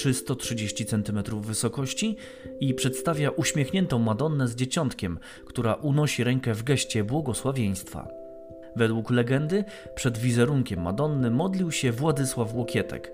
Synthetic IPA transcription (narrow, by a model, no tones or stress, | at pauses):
ʂɘst̪ɔtʂɘd͡ʑeɕt͡ɕit̪sɛnt̪ɘmɛt̪ɾuvːɘsɔkɔɕt͡ɕi | ipʂɛt̪st̪avʲjaʔuɕmʲjexɲɛnt̪ɔ̃w̃mad̪ɔnːɛzd͡ʑet͡ɕɔnt̪kʲɛm | kt̪uɾaʔunɔɕiɾɛŋkɛvɡɛɕt͡ɕɛbwɔɡɔswavʲjej̃st̪fa̰ | vɛd̪wuklɛɡɛnd̪ɘ | pʂɛd̪vʲizɛɾuŋkʲɛmːa̰d̪ɔnːɘmɔd̪lʲiwɕɛvwad̪ɘswafwɔkʲjɛt̪ɛ̰k